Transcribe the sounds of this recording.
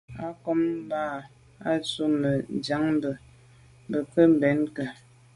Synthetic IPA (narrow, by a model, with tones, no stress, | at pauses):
a˦kɔ˦m˦baː˦˨ | a˦t͡so˦mə˨d͡ʒa˨˦ŋbə˨ | bə˨pə˦m̩˨bɛ˨˦nkə˨